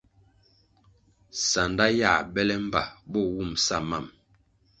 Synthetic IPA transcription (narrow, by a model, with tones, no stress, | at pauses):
sa˨nda˦ja˦˨bɛ˦lɛ˦m˦ba̰˨bɔ˦˨wu˦˨msa˦˨ma˦˨m